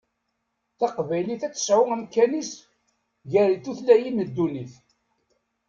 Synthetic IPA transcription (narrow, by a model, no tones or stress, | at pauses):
θɑqvæjliθæt͡sːswəæmkænis | ʝæɾiθuθlæjiməd̪ːuniθ